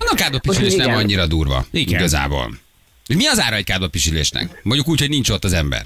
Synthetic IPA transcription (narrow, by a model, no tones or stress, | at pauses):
ɒnːkaːd̪opiʃyleːʃnɛmɒɲːiɾɒd̪uːrvɒ̰iɡɡɒza̰ːbo̰ːl | omiɒzaːɾɒɛc̚kaːd̪opːiʃylḛːʃnɛ̰kmoɲɟukuːchoɟnint͡ʃot̪ːɒzɛmbɛ̰r